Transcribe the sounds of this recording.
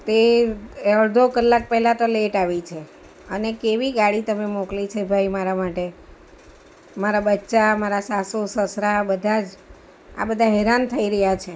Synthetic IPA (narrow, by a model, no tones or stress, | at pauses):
t̪eəɭd̪ʱokəlːak̚pɛɦlat̪oleʈaʋit͡ʃʰe | ənekeʋiɡaɽit̪əmemoklit͡ʃʰebʱaimaɾamaʈe | maɾabətːʃamaɾasasusəsɾabəd̪ʱad͡ʒ | a̰bəd̪ʱaɦɛɾant̪ʰəiɾəɦjat͡ʃʰe